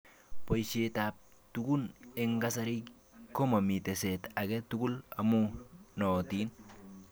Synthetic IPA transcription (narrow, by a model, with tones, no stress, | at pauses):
po˨jseta˨p̚ | tuku˦ne˨ŋɡa˦sa˦ɾi˦k | ko˦ma˨mi˨te˨se˨ta˨ɡe˦tu˦ku˦la˨mu˦no˨ti˦n